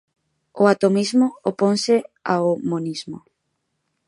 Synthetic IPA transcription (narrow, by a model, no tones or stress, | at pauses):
oat̪omizmʊoponsɪaomonizmʊ̰